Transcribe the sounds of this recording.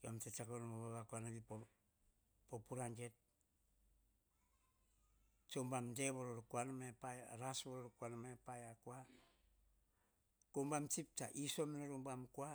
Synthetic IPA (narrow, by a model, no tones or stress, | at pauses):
amtet͡ʃakonomaβaβakuanaβipo | popuɾaŋd͡ʒet̚ | t͡ʃombamdeβoɾoɾukuanamaepajaɾasboɾoɾukuanamaepajakua | kombamt͡ʃip̚taʔiso̞minaɾombamkua